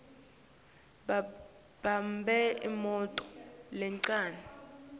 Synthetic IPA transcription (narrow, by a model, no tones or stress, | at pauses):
bambʱɛḭmɔtʼɔ̥lɛŋǀaːnɛ